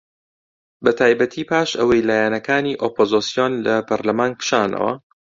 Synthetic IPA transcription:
bɐt̪ʰaːjbɐt̪ʰiːpʰaːʃɐwɐjlaːjanɐkaːniːʔoːpʰozosijoːnlɐpʰɐɾlɐmaːnkɨ̥ʃaːnɐ̰wɐ̰

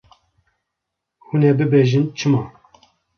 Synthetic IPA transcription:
hunɛbɨbeːʒɨnt͡ʃʰɨmɑː

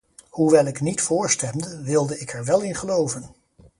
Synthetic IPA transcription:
huʋɛlˠɪknitfʊːɹstɛmdəʋɪlˠdəɪkɛɹʋɛlˠɪnχəlowvən

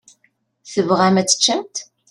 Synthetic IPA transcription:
θəvʁæmæt͡sːə̥t͡ʃːəmt̪

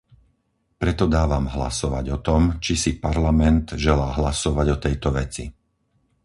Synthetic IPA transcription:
pɾɛt̪ɔd̪aːʋamɦla̰sɔʋa̰ɟɔt̪ɔmt͡ʃisipaɾlamɛnt̪ʒɛlaːɦlasɔʋaɟɔt̪ɛjt̪ɔʋɛt͡sḭ

